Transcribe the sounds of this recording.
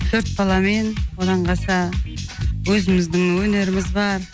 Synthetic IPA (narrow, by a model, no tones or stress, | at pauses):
t̪ʰɵɾt̪̚bɑlˠɑme̞nwod̪ɑɴqɑsɑ | wɵzɪmɪzd̪ɪŋwɵne̞ɾɪmɪzbɑɾ